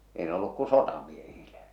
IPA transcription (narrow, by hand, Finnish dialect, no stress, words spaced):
ei ne olːuk ku sotɑmiehiːl̥æ̥